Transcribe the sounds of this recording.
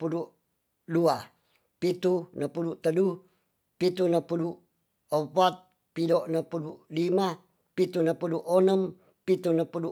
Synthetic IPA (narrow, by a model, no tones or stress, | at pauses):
puduʔ | dua | pit̪unəpuduʔt̪ədu | pit̪unəpuduʔ | əpat̪̚ | pidoʔnəpuduʔlima | pit̪unəpuduʔonəm | pit̪unəpudu